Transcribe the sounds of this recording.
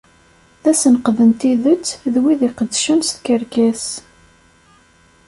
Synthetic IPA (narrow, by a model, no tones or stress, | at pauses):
θæsənqðənt̪iðət͡sːðwiðiqəd̪ːʃənsθkəɾkæs